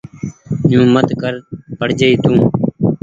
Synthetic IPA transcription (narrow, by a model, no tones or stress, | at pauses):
jũːmət̪kəɾpəɽ̤d͡ʒəiːt̪ũː